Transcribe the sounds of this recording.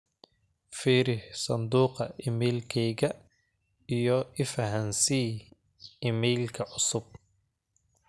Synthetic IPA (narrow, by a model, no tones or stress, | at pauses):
fiːɾɪhsɐnd̪uːqɐʔɪmɛːlkʰɛjɡɐ | ɪjɔɪfɐɦɐnsiː | ɪmɛːlkʰɐʔʊsʊb̚